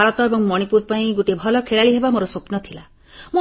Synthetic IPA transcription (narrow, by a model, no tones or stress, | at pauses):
aɾɔt̪ɔebɔŋmɔɽ̃ipuɾpaĩɡuʈebʱɔlɔkʰeɭaɭiɦebamoɾɔsopnɔt̪ʰila | mo